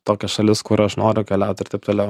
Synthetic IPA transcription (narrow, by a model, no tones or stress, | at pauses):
t̪oːkʲɛsʃɐlʲɪskʊɾɐʃnoːɾʲʊkʲɛlʲæˑʊt̪ʲɪɾt̪ɐɪp̚t̪oːlʲɛʊ